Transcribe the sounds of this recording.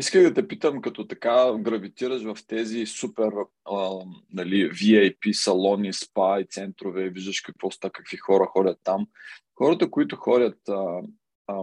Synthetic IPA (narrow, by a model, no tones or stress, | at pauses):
iskəɣd̪ɐt̪ɛpit̪əmkɐt̪ɔt̪ɐ̥kaɡɾɐvit̪iɾəʃvɐft̪ɛzisupɛɾ | nɐliviɛjpisɐlˠɔnispajt̪sɛnt̪ɾovɛiviʒd̪ɐʃkipɾost̪akɐkv̥ixɔɾəxɔdʲɐt̪ːamxɔɾɐt̪əkoit̪ʊxɔdʲət̪ə